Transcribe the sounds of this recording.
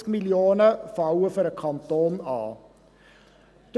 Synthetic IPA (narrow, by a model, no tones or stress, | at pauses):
kmiljoːnəfɑwəføɾəkʰɑnt̪oːnɑ̰ː | t̪